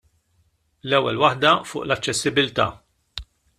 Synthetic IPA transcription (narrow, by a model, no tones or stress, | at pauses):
lɛwːɛlwɐħd̪ɐfʊ̰ːʔlɐt͡ʃːɛsːɪbɪlt̪ɐ̰ː